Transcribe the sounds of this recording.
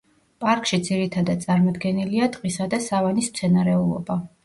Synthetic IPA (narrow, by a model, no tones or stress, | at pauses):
pʼaɾkʰʼʃid̪ziɾit̪ʰad̪ad̪t̪sʼaɾmɔd̪ɡɛniliat̪ʼqʼisad̪asavanismt̪sʰɛnaɾɛulˠɔ̰ba